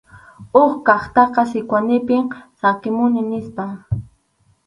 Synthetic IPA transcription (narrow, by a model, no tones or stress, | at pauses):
ʊχkɑχt̪ɑqɑsɪkwanɪpɪmsakɪmʊnɪnɪspa